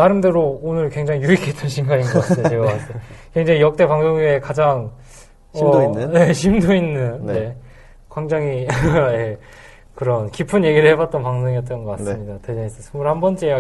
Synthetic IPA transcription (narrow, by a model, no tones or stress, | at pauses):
aɾɯmdeɾoonɯɭkweŋd͡ʑaŋijuikʰet͈ʌnɕʰiŋɡaɲinɡʌk͈ateeɡʌkat͈ʰekwe̞ŋd͡ʑaŋijʌk̚t͈e̞paŋsʰoŋue̞kad͡ʑaŋ | ʌe̞ɕʰimdoinːɯnne̞ | kwaŋd͡ʑaŋije̞ | kɯɾʌnkipʰɯnje̞ɡiɾɯɭhe̞bat̚t͈ʌnpaŋsʰoŋijʌt̚t͈ʌnɡʌk͈ats͈ɯmɲidate̞d͡ʑʌŋesʰʌsʰɯmuɭhambʌnt͡ɕ͈iea